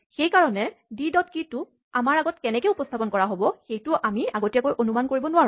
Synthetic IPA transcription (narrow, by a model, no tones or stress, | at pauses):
xejkaɹɔnɛdidɔtkitʊ | amaɹaɡɔtkɛnɛkɛupɔstʰapɔnkɔɹaɦobɔxejtʊʔamiaɡotijakojʔonumankoɹibɔnʊwaɹu